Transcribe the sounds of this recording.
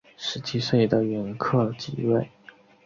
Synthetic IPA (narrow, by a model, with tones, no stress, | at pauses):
ʂɻ̩˧˥t͡ɕʰi˧˥ʂe˥˩ɪd̪ə˩ɥɛ˧˥nkʰɤ˥˧t͡ɕḭ˧˥we˥˩ɪ